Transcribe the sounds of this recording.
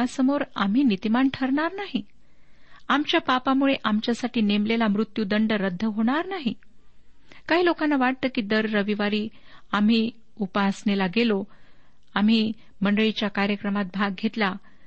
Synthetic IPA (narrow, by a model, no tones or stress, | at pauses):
asəmoɾam̤iːnit̪imaɳʈʰəɾɳaɾnaɦi | amt͡ɕjapapamuɭeʔamt͡ɕjasaʈiːnemlelamɾut̪jud̪əɳɖəɾəd̪ʱːəɦoɽ̃aɾnaɦi | kaɦiːlokanːaʋaʈ̚t̪əːkiːd̪əɾːəʋiʋaɾiː | am̤iː | upasɳelaɡelo | am̤iː | məɳɖəɭit͡ɕjakaɾjəkɾəmat̪̚bʱaɡ̚ɡʱet̪la